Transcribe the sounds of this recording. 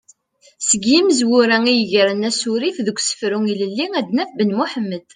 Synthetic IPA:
səɡiməzwʊɾæŋijəʝɾənæsʊɾifðəɡʷsə̥fɾuŋiləlːiŋæd̪næfbənmʊħəmːəd̪̥

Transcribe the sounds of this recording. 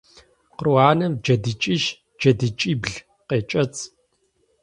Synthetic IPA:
qərwaːnɐmd͡ʒɐdɨt͡ʃʼiʃ | d͡ʒɐdɨt͡ʃʼiːbɮ | qeːt͡ʃʼɐt͡sʰʼ

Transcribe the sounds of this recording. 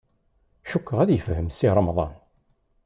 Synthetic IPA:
ʃukːəʁæðjəfhəmsiɾˤɑmðˤɑ̰n

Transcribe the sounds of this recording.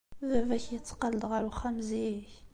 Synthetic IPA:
ðævæçjət͡sːqɑləd̪ʁaɾuχæmziç

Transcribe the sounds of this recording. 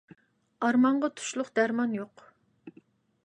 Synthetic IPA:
ɑɾmɑɴʁɑt̪ʰu̥ʃlˠʊqd̪̥æɾmɑnjoq

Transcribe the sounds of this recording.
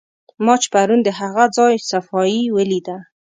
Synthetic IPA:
mɑt͡ʃpaɾund̪əɦaɣad͡zɑjsafɑjiwəlid̪a

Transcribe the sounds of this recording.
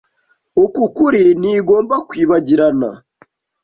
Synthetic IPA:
okukuɾiniːɡo̞ːmbakwiːβaɟiɾana̰

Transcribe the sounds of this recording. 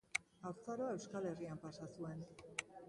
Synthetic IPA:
awɾt͡saɾoae̞wskale̞riampasasue̞n

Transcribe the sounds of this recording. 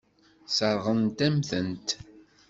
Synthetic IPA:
səɾˤʁənt̪æmθənt̪

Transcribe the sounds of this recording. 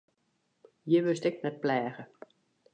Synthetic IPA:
jəʋɪstɛknɛt̚plɛːɣə

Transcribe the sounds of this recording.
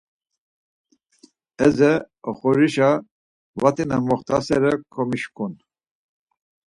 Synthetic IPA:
ɛzɛ | ɔχɔɾiʃa | vat̪ʼinamɔχt̪ʰasɛɾɛkʰɔmiʃkʰun

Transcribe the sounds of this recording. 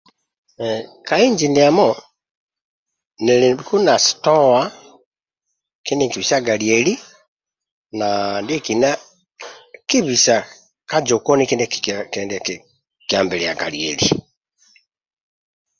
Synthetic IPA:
kaiɲd͡ʒiniamɔ | nilikunastɔa | kindiŋkiβisaɡaliɛli | nandikina | kiβisa | kad͡ʒokɔnikindɛkkɛndɛk | kjambɛlɛja̰ɡa̰liɛ̰li

